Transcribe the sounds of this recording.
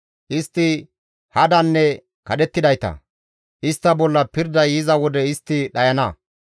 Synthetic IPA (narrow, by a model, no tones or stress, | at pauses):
ʔɪst̪ːɪ | hɐd̪ɐnːɛ | kɐɗɛt̪ːɪd̪ɐjt̪ɐ̰ | ʔɪst̪ːɐbɔlːɐpɪɾd̪ɐjɪzɐwɔd̪ɛɪst̪ːɪɗɐjɐnɐ